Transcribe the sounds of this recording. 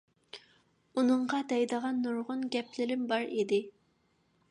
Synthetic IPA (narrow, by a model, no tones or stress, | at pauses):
unɨɴʁɑd̪ɛjd̪əʁɑnːuɾʁʊnɡʲɛpʰlɪɾɪmbɑɾid̪ɪ